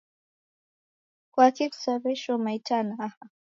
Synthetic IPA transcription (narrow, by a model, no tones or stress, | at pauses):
kwakiksaβɛʃɔmaitanaaha